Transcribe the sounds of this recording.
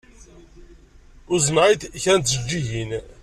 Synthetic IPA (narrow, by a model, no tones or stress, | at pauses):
ʊzənʕid̪çæɾnt̪ːzəd͡ʒːiʝin